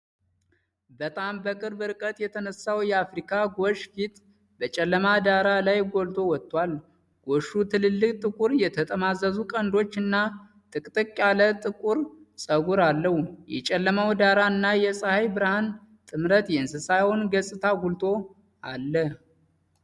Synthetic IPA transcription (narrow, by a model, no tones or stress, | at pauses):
bət̪ʼambəkʼɨɾbɨɾkʼət̪ʼjɛt̪ʰənəsawjɛafɾikʰaɡoʃfit̪ | bət͡ʃʼɛlːəmad̪aɾalajɡo̞lt̪ʰo̞wɔt̪ʼːwal | ɡ̥o̞ʃut̪ʰɨlɨlːɨkʼt̪ʼɨkʼuɾjɛt̪ʰət̪ʼəmazəzukʼənd̪o̞t͡ʃːɨnːa | t̪ʼɨkʼt̪ʼɨkʼːalət̪ʼɨkʼuɾsʼəɡuɾalːəhujɛ̰t͡ʃʼɛlːəmawd̪aɾaɨnːajɛsʼəhajbɨɾhan | t̪ʼɨmɾət̪jɛɨnsɨsajhonɡəsʼɨt̪ʰaɡult̪ʰo̞ | alːə